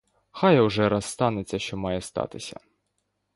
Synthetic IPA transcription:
xɑjɐwʒɛɾɐsːt̪ɑnet͡sʲːɐʃt͡ʃɔmɑjɛst̪ɑ̰t̪ɪsʲɐ̰

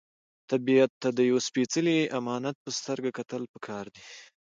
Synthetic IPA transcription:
t̪abiat̪ːad̪əjawspet͡səliamɑnat̪̚pəst̪əɾɡakat̪əlpəkʰɑɾd̪i

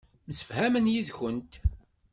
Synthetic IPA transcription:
məsə̥fhæmənjiðçənt̪

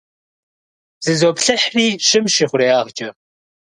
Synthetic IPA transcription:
z̥ɨzoːpɬɨħriːʃɪmʃiːχʷʊɾeːaːʁd͡ʒʼɐ

